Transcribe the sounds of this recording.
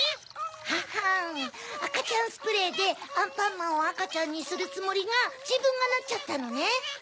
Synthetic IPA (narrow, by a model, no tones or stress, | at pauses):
haha | akat͡ɕãɰ̃sɨ̥pɯ̟ɾe̞ːd̪e̞ãmpãmːãoakat͡ɕãɲ̟ːisɨɾɯ̟t͡sɨmo̞ɾʲiŋad͡ʑibɯ̟̃ŋɡanat̚t͡ɕat̪ːano̞ne̞